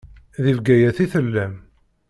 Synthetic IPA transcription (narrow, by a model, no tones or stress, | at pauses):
ðivɡæjæθiθəlːæm